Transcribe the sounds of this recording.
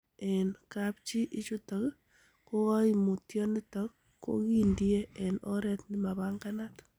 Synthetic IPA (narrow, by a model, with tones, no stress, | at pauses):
ɛ˨nkap̚t͡ʃi˦ʔi˦t͡ʃu˦tɔ˨k | ko˦ɣa˦i˨mu˨tjɔni˦tɔ˦k | ko̰˦ki˦ndie˦ɛ˨nɔ̰˦ɾɛtnɪ˦ma˨βaŋɡanat